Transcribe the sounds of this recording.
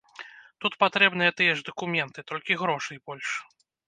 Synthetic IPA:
t̪ut̪pat̪ɾɛbnɨjɛt̪ɨjɛʐd̪ɐkumʲɛnt̪ɨt̪ɔlʲkʲiɣɾɔʂɨjbɔlʲʂ

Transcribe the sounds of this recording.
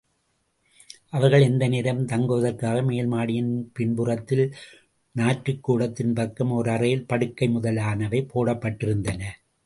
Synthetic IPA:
ʔɐʋɐɾɣɐɭɛnd̪ɐnɪɾɐmt̪ɐŋɡɯʋɐðɐɾkaːɣɐmeːlmaːɽɪjɪnpɪɳbɯrɐt̪ːɪl | naːʈɾɯkːuːɽɐt̪ːɪnpɐkːɐmɔɾɯɐrɐjɪlpɐɽɯkːɐɪmʊðɐlaːnɐʋɐɪpːoːɽɐpːɐʈːɪɾɯnd̪ɐnɐ

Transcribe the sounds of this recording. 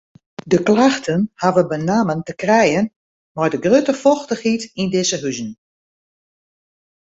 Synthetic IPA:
dəklaxtʰənhaʋəbənaːməntəkrɛjən | mardəɡrøtəfɔxtəxitindɪsəɦyzn̩

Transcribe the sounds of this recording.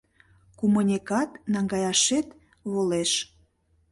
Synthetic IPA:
kumunʲekɑt̪nɑŋɡɑjɑʃet̪ | βoleʃ

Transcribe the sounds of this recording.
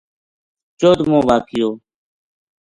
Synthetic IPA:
t͡ʃoːd̪mõːʋaːkɪjoː

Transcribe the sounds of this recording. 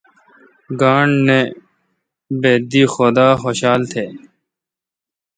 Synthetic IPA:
ɡaːɳneː | beːd̪iːxoːd̪aːxoːɕaːlt̪ʰeː

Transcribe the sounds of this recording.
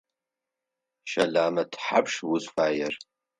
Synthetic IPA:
ʃalaːmɐdʰħapʰʂwuzfaːjar

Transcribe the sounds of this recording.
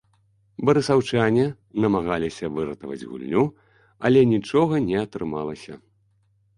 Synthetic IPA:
bɐɾɨsawt͡ʂanʲɛ | nɐmaɣalʲisʲɐvɨɾɐt̪ɐvɐ̰d͡zʲɣṵlʲnʲu | ɐlʲɛnʲit͡ʂɔɣɐnʲɛɐt̪ɾɨmalˠɐsʲɐ̰

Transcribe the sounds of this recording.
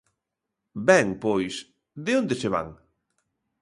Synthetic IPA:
bɛŋpojs | ðeond̪eseβ̞a̰ŋ

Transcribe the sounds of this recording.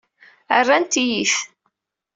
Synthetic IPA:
ə̰rːænt̪ijiθ

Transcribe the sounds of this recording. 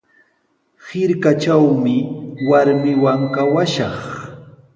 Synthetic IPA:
hɪɾkat͡ʃawmɪwaɾmɪwaŋkawaʃɑχ

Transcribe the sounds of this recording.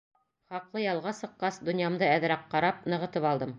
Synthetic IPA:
χɑqlˠɤjɑlˠʁɑsɤ̆qːɑsd̪ŏnjɑmd̪ɤæðɾæqqːɑɾɑp̚nɤ̆ʁɤ̆t̪ɤpɑlˠd̪ɤm

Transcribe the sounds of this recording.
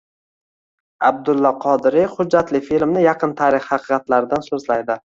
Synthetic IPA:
a̰b̚d̪ʊlˠːɒqʰɒd̪ɪɾɪhʊd͡ʒːat̪lɪfilmnɪjɑqʰɨnt̪ʰaːɾɪχhɑqʰɨqɑt̪laɾɪd̪ansozlajd̪ɪ

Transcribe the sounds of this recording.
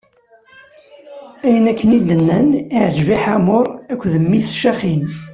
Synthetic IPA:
æjənækːənid̪ːənːəniʕʒviħamʊɾækʷːðəmːisʃaχin

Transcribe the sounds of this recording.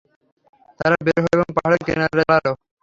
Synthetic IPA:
t̪aɾabeɾɦoeboŋpaɦaɽekḛnaɾelaɾo

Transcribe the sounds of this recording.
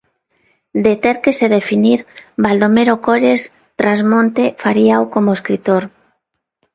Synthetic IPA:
d̪et̪eɾkeseðefiniɾbald̪omeɾokoɾes | t̪ɾazmõnt̪efaɾiaokomoeskɾit̪oɾ

